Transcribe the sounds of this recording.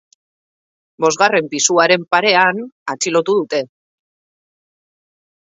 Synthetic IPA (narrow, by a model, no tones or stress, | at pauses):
bo̞zɣare̞mpisuaɾe̞mpaɾe̞anat͡silo̞t̪uðut̪e̞